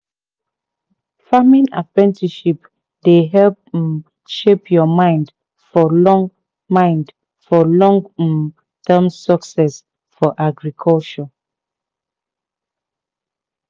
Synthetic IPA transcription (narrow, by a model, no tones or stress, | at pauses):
famĩna̰pɹɛ̃ntʰiʃip | deɦɛlp | ʃepjɔmãɪ̃nd | fɔlɔ̃ŋ | mãɪ̃nd | fɔlɔ̃ŋ | tʰɛmsɔksɛs | fɔʔaɡɹikʰɔlt͡ʃɔ